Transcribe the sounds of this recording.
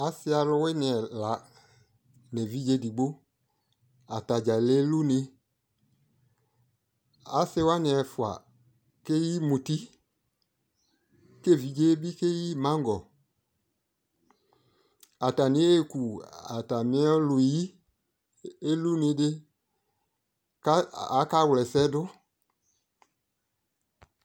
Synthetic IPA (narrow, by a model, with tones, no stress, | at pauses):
a˨sɪ˦a˧lʊ˧wɪ˦nɪ˨ɛ˨la˨˦ | nɛ˨vi˦ɡe˦di˨ɡ͡bo˦ | a˨ta˨d͡ʒa˨le˦lu˦ne˧ | a˨sɪ˦wa˦nɪ˨ɛ˨fʊ˨a̰˨ | ke˦ji˦mu˨ti˦ | ke˦˨vi˨˦ɡe˦bi˦ke˦ji˦mã˦ŋɡɔ˨ | a˨ta˨nĩ˨˦e˦ku˨a̰˨ta˨mĩ˧˦ɔ̃˦lu˨ji˦ | e˦lu˦nĩ˧˦dɪ˦ | ka˦a˨˦ka˦wlɛ˨sɛ˦dʊ˦